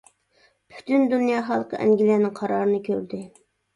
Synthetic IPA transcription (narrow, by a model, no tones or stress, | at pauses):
pʰy̥t̪ynd̪unjɑːχɑlˠəqʰə̰ʔæ̰ŋɡʲilæːnɪŋqʰɑɾɑːɾɨnɨkʲʰøɾd̪ɪ